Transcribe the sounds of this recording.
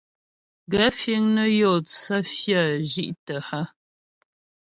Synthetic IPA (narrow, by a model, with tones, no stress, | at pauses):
ɡa˦fe˦ŋnə˦jɔ˦˨t͡sa˦fja˦˨ʒi˦ʔtə˨ha˦